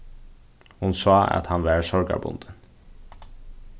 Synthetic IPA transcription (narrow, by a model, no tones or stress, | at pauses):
hʊnsɑːɑ̰t̪hɑnʋæːɹsɔɾɡɑ̰bʊ̰nd̪ən